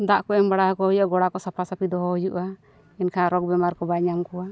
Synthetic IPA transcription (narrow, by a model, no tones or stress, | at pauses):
d̪aʔkɔɛmbaɽaɦakɔhɔjuʔaɡɔɽakɔsapʰasapid̪ɔɦɔhujuʔa | ɛnkʰaaɾɔk̚bɛmaɾkɔbaɲamkɔwa